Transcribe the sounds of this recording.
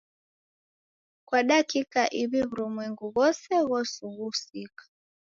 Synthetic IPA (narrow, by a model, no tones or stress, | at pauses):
kwaɗakikaʔiβiβuɾumwɛŋɡuɣɔsɛɣɔsuɣusikḁ